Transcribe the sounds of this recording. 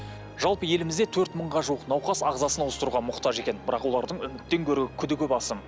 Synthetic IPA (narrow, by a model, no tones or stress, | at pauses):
ʒ̥ɑlˠpəje̞lɪmɪzd̪et̪ʰɵɾt̪məɴʁɑʒuwəqnɑwqɑsɑʁzɑsənwəst̪əɾuʁɑmʊqt̪ɑʒe̞kʲe̞nbɪɾɑqwo̞lˠɑɾd̪əɴʏmɪt̪ːe̞ŋkʲʰɵɾɡʲɪkʲʰʏd̪ɪkʲɵpɑsəm